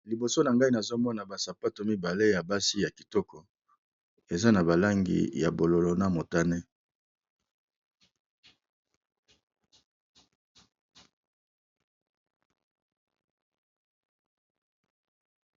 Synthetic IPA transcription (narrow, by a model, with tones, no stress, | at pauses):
li˨bo˨so˦na˨ŋɡa˦i˦na˨zo˦mɔ˦na˨ba˨sa˨pa˦to˨mi˦ba˨le˦ja˨ba˦si˦ja˨ki̥˨tɔ˦kʰɔ˨ | e˨za˦na˨ba˨la˦ŋɡḭ˨ja̰˨bo˨lo˨lo˨na˦mo˨ta˦nɛ˦